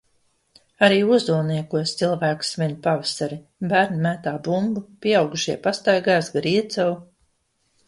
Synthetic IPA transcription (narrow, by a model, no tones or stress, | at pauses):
aɾiːuzd̪ulˠniɛkuɔst̪silˠvæːksvʲiɲupavasaɾi | bæːɾnimæt̪aːbumbupʲiɛawɡuʃiɛpast̪ajɡaːsɡɾiɛt̪zaw